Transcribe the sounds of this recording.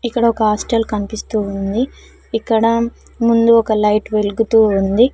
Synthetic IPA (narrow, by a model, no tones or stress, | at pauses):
ikːɐɽɐɔkɐɦaːsʈelkɐnipist̪uːund̪i | ikːɐɽɐ | mund̪uɔkɐlɐjʈʋe̞luɡut̪uːund̪i